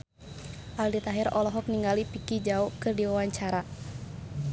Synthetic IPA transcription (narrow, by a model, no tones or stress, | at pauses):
ʔaldit̪aɦɛɾɔlɔɦɔk̚niŋɡalipikid͡ʒaɔkɨrdiwawaɲt͡ʃaɾa